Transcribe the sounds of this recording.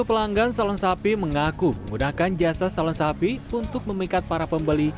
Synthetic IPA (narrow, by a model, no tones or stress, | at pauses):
upəlaŋɡansalɔnsapiməŋakuməŋɡunakand͡ʒasasalɔnsapiunt̪ʊk̚məmikat̪̚paɾapəmbəli